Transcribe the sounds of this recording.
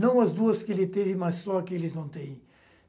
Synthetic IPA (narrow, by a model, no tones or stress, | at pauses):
nɐ̃w̃ɐzd̪uɐskɪelɪt̪evɪmɐssɔkɪelɪznɐ̃w̃t̪ẽj̃